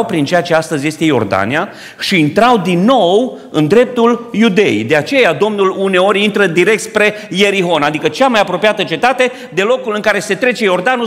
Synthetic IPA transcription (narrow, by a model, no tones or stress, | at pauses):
wpɾint͡ʃejat͡ʃe̞ast̪əzje̞st̪e̞jo̞̰rd̪a̰nia | ʃiːnt̪ɾawd̪inːo̞w | ɨnd̪ɾe̞p̚t̪uljud̪e̞ḭd̪e̞at͡ʃe̞jad̪o̞mnulune̞o̞ɾʲint̪ɾəd̪iɾe̞k̚t̪spɾe̞ | je̞ɾiɦo̞nad̪ikət͡ʃamajapɾo̞pijat̪ət͡ʃe̞t̪at̪e̞ | d̪e̞lo̞kulɨŋkaɾe̞se̞t̪ɾe̞t͡ʃe̞jo̞rd̪anu